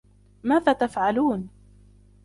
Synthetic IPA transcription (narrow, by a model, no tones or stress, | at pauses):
maːðaːt̪afʕaluːn